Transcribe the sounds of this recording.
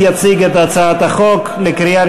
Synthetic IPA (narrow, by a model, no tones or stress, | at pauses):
jat͡siɡɛt̪at͡saːt̪aχɔkklɪkɾiaɾ